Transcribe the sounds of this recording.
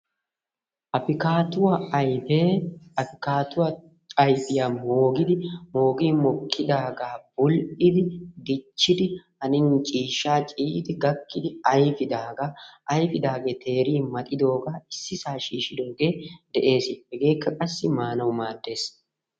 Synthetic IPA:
ʔɐpɪkaːt̪ʊwɐjbeːɐfɪkaːt̪ʊwɐ | ɐjpʼɪjaːmoːɡɪd̪ɪmo̞ːɡiːmɔkʰːɪd̪aːɡaːb̥ʊlʔɪd̪ɪd̪ɪt͡ʃːɪd̪ɪʔɐnɪnt͡ʃʼiːʃaːt͡ʃʼiːd̪ɪɡɐkːɪd̪ɪɐjfɪd̪aːɡaːʔɐjfɪd̪aːɡeːt̪ʰe̞ːɾiːmɐt̪ʼɪd̪o̞ːɡaːɪsːɪsaːʃiːʃɪd̪o̞ːɡe̞ːd̪ɛʔe̞ːsɪbɛɡeːkːɐkʼɐsːɪmaːnɐwmaːd̪ːe̞ːs

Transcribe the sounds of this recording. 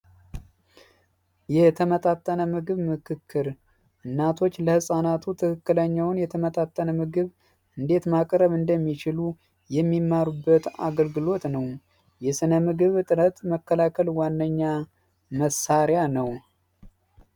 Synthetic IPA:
jɛt̪ʰəmət̪ʼat̪ʼːənəmɨɡɨβmɨkʰɨkʰːɨɾ | ʔɨnːat̪ʰo̞t͡ʃːləhɨsʼanat̪ʰut̪ʰɨkɨkːɨləɲːawnjɛt̪ʰəmət̪ʼat̪ʼːənəmɨɡɨβ | ʔɨnd̪e̞t̪makʼɾəβɨnd̪əmːit͡ʃɪlu | jɛmːimːaɾubːət̪a̰ɡəlɡɨlo̞t̪nəw | jɛsɨnəmɨɡɨβt̪ʼɨɾət̪məkːəlakʰəlwanːəɲːa | məsaɾjanəw

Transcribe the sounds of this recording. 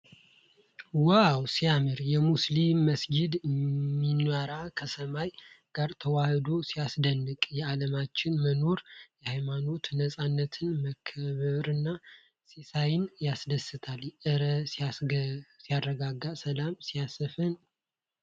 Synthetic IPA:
wawsijamɨɾjɛmuslimːəsɡid̪mːinwaɾakʰəsəmaj | ɡ̥aɾt̪ʰəwahd̪o̞sijasd̪ənːɨkʼjɛaləmat͡ʃːɪnməno̞ɾjɛhajmano̞t̪nəsʼanːət̪ʰɨnməkʰːəβəɾɨnːa | sisajɪnjasd̪əsːɨt̪ʰaljɛʔɨɾəsi | sijarːəɡaɡasəlamsijasəfɨn

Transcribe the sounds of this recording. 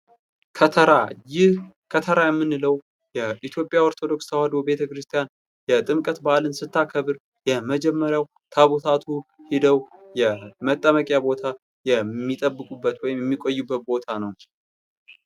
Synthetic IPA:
kʰət̪ʰəɾajɪh | kʰət̪ʰəɾajɛmːɨnːɨləw | jɛʔit̪ʰjo̞pʼːjawoɾt̪ʰo̞d̪o̞ksʰəhad̪o̞be̞t̪ʰəkɾɨst̪ʰijan | jɛt̪ʼɨmkʼət̪balɨnsɨt̪ʰːakʰəβɨɾ | jɛməd͡ʒɛmːəɾjaw | t̪ʰaβut̪ʰat̪ʰuhid̪əwjɛmət̪ʼːəməkʼjabo̞t̪ʰa | jɛmːit̪ʼəbːɨkʼubːət̪wɔjɪmjɛmːikʼojːubːət̪̚bo̞t̪ʰanəw

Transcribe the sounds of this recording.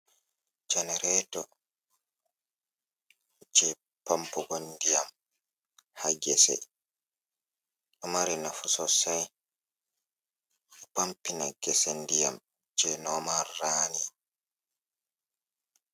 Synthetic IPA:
d͡ʒɛnɛɾɛːtɔ | d͡ʒɛ | pampɔɡondijam | haɡɛsɛ̰ | ʔɔmaɾinafusɔsaj | ɛpampina̰ɡɛsendija̰m | d͡ʒɛnɔmaːaːni

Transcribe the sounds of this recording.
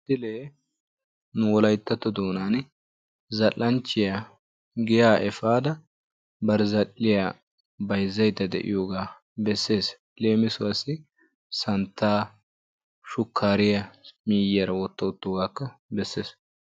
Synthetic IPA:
t̪ːɪleː | nʊwɔlɐjt̪ːɐt̪ːɔd̪oːnaːn | zɐlːɐnt͡ʃːɪja | ɡɪjaːʔɛfaːd̪ɐ | bɐɾɪzɐlːɪjaː | bɐjzːɐjt̪ːɐd̪ɛ̰ʔɪ̰joːɡaː | bɛsːe̞ːs | le̞ːmɪsʊwɐsɪ | sɐnt̪ːaː | ʃʊkʰːaːɾɪjɐmiːjɪjɐɾɐwɔt̪ːɐʊt̪ːoɡaːkːɐbɛsːe̞ːs

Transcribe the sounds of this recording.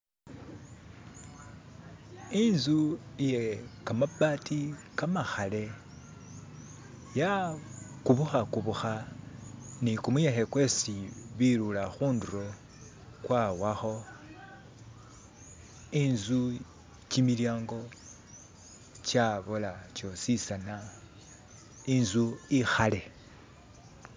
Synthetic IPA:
inzuije̞kamabatikamaxale̞ | ja | kuβuxakuβuxa | nikumujexe̞kwe̞ːsiβilulaxuːnduɾo̞ | kwawaxo̞ | inzu | t͡ʃimiljaːŋɡo̞ | t͡ʃaβolat͡ʃo̞sisana | inzuixale̞

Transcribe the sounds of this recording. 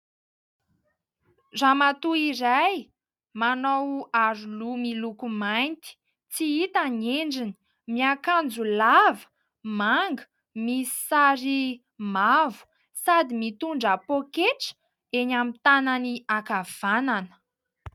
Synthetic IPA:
ramat̪uiɾaj | manowaɾulumilukumajnt̪i̥ | t͡siit̪aneɳɖ͡ʐini̥ | miakand͡zulavə̥ | maŋɡə̥ | misi̥saɾi | mavu̥ | sad̪imit̪uɳɖ͡ʐapokeʈ͡ʂə̥ | enamit̪ananiakav̥ananə̥

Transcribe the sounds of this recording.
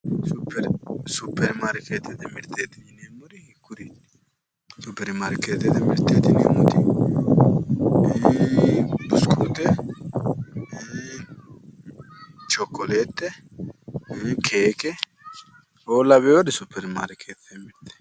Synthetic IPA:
sʊpːɛɾsʊpːɛɾmaːɾkeːt̪ːɛt̪ɛmɪɾt̪ːeːt̪ɪnɪnemːʊd̪ɪhɪkːʊd̪i | sʊpːɛɾmaɾkeːt̪ːɛt̪ɛmɪɾt̪ːeːt̪ːɪnḛːmːʊd̪ɪ | b̪ʊskʰuːt̪ːɛ | t͡ʃɔkːɔleːt̪ːɛ | kʰeːkɛ | oːlɐβɛjod̪ɪsʊpʰːɛɾmaːɾkʰeːt̪ːemɪɾt̪ɛ̥

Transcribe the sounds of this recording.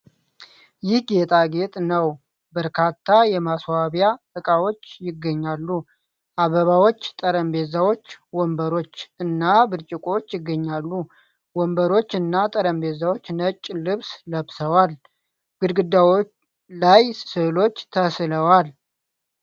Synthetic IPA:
jɪhɡet̪ʼaɡe̞t̪ʼnəw | bəɾkʰat̪ʰːajɛmaswaβja | ɨkʼawo̞t͡ʃːjɪɡːəɲːalːu | ʔaβəβawo̞t͡ʃːt̪ʼəɾəmbezawo̞t͡ʃːwɔmbəɾo̞t͡ʃːɨnːabɨɾt͡ʃʼɪkʼot͡ʃːjɪɡːəɲːalːu | wɔmbəɾo̞t͡ʃːɨnːat̪ʼəɾəmbe̞zawot͡ʃːnət͡ʃʼːlɨβsləβsəwal | ɡ̥ɨd̪ɡɨd̪ːawo | lajsɨlo̞t͡ʃːt̪ʰəsləwal

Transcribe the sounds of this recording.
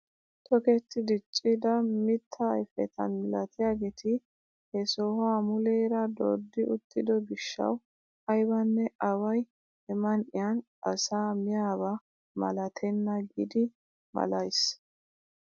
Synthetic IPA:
t̪ʼɔkɛt̪ːɪd̪ɪt͡ʃʼːɪd̪ɐmɪt̪ʰːɐːjfɛ̰t̪ɐ̰nmɪlɐt̪ɪjaːɡet̪ʰɪ | hɛsɔhamʊlɛːɾɐd̪o̰ːd̪ːɪʔʊt̪ːɪd̪ɔɡɪʃːɐ̰w | ɐjbɐnːɛʔɐwɐj | ɛmɐnʔɪjan | ɐsaːmɪjaːβɐ | mɐ̰lɐt̪ʰɛnːɐɡɪd̪ɪ | mɐ̰lɐjs

